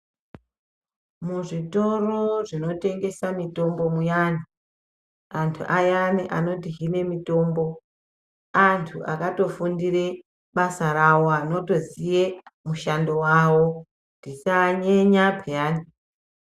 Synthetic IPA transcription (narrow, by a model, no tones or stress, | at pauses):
muʐito̞roʐino̞te̞ŋɡe̞samito̞mbo̞mujaːni | antʰṵʔajaniʔano̞tiɦine̞mito̞ːmbo̞ | antʰuʔakato̞fundire̞ | ɓasaɾawo̞ano̞to̞zijemuʃando̞wawo̞ | ndit͡ʃaɲeɲapʰejaːni